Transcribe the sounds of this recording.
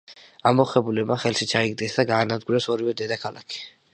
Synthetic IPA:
amːɔχɛbulɛbmaχɛlʃit͡ʃʰaiɡd̪ɡɛsd̪aɡaːnad̪ɡuɾɛsɔɾivɛd̪ɛd̪akʰala̰kʰi̥

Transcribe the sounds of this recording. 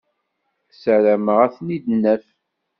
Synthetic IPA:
səɾæməʁæθnid̪nːæf

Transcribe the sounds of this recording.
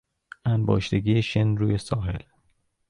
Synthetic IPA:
ʔæmbɒ̰ːʃt̪eɡijeʃenɾuːjesɒːɦe̞̰l

